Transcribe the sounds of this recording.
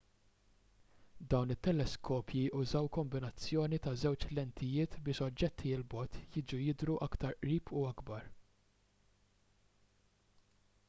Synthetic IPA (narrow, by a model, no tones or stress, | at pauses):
d̪ɐwnɪt̪ːɛlɛskʰɔːpʰjiʔʊzɐwkɔmbɪnɐt͡sːjɔːnit̪ɐzɛwt͡ʃlɛnt̪ʰɪjɪːt̪bɪːʃɔd͡ʒːɛt̪ʰːiɪlbɔt̪ʰjɪːd͡ʒujɪd̪ɾuʔɐkt̪ɐɾʔɾiːpʰuɐɡbɐɾ